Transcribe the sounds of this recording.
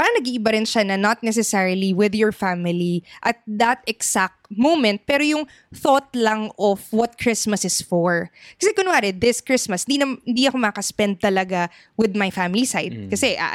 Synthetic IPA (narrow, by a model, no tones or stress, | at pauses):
paːɾɐŋnɐɡiːʔɪbaɾɪnʃanɐnɐt̪̚nɛs̬ɛsɛɹɪliwɪðjɔɹfamɪliʔɐt̪̚d̪ɐt̪ɛksak̚t̪mowmɛ̃nt̪̚pɛːɾojʊŋ | θot̪̚lɐŋɔfwɔt̪̚kʰɹɪsmɐsɪsfɔɹkɐsɛkʊnʊaːɾɛd̪ɪskɹɪsmɐshɪnd̪inɐmhɪnd̪iʔɐko̞mɐkɐspɛnd̪̚t̪ɐlɐɡa | wɪd̪majfamɪlisajd̪̚kɐsɛʔa̰